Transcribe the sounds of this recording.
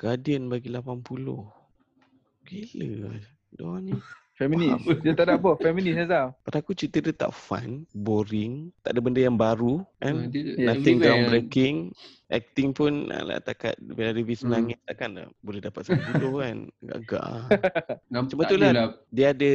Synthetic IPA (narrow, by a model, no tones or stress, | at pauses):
ɡ̥adiənbaɡilapanpulʊ̰h | kiləa | dɔ̰ni | fɛminiasdət̪aʔdabəfɛminisazapadakut͡ʃit̪ədət̪a̰ʔfa̰nboɾɪŋt̪aʔdabəndəjaŋbaɾukannãt̪ɪŋɡawbɾəkɪŋ | ʔɛ̰k̚t̪ɪŋpʊna̰la̰ʔt̪aka̰t̪̚biladəvisənaŋɪt̪̚t̪aʔkanla̰bolɛhdapat̪səpulʊhkanɡa̰ʔɡa̰ʔ | t͡ʃumət̪uladiəadə